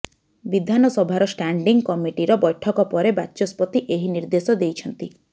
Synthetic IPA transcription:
bid̪ʱanɔsɔbʱaɾɔsʈaɳɖiŋɡkɔmiʈiɾɔbɔjʈʰɔkɔpɔɾebaːt͡ʃɔspɔt̪iʔeɦiniɾd̪esɔd̪ejt͡ʃʰɔnt̪i

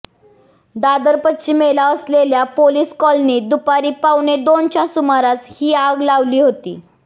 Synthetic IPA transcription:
d̪ad̪əɾpət̪t͡ɕiːmelaəsleljapoliːskɔlniːd̪upaɾiːpawned̪ont͡ɕasumaɾat͡shiːaɡlaʋliːɦot̪ḭː

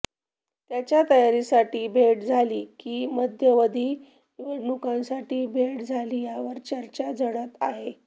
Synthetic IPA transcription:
t̪jat͡ɕjat̪əjaɾisaʈiːbʱeʈd͡zʱaliːkiːməd̪ʱjəʋəd̪ʱiː | ʋeɽɳukãnsaʈiːbʱeɽd͡zʱaliːjaʋəɾt͡ɕəɾt͡ɕad͡zəɽət̪aɦe

